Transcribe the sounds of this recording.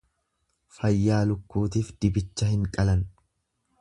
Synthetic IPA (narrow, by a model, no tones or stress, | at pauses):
fɐjːaːlʊkːuːt̪iːfd̪̥ɪbɪt͡ʃːɐhɪŋkʼɐlɐn